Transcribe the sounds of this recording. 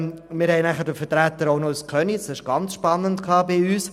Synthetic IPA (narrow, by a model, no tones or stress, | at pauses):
mɪɾhɛɪnæχəɾdəfəɾtɾæt̪ːəɾoʊnoəskʰœnisɪʃɡ̥ɑnt͡sʃpɑnːəntkʰlɑːbɪyːs